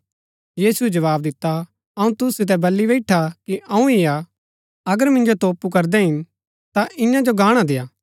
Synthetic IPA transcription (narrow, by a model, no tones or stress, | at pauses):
jiːsuɛd͡ʒɐʋaːb̚d̪ɪt̪ːa | ɐũt̪ʊsːɪt̪̬ɛbɐlːiʋɛɪʈʰakiʔɐũia | ɐɡəɾmɪ̃nd͡ʒot̪oːpukɐɾd̪ɛɦɪn | t̪aʔɪ̃jãd͡ʒoɡaːɽ̃ad̪ejaː